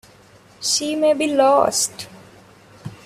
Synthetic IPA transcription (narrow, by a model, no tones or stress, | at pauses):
ʃiːmeːbiːlɔsʈ